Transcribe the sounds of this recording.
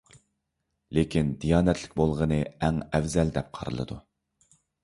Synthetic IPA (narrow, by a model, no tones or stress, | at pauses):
lekʲʰind̪ijɑːnɛt̪ʰlɪkʲbolˠʁənɨɛŋɛvzɛld̪ɛp̚qʰɑ̰ɾɨ̰lˠɨ̰d̪u